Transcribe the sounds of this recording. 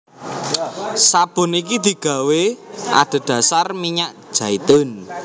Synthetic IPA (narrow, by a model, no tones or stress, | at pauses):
sab̥ʊ̤nikid̪̥i̤ɡ̥ä̤wea̰ɖ̪̥ə̤d̪̥a̤sarmiɲaʔʒ̥a̤it̪ʊn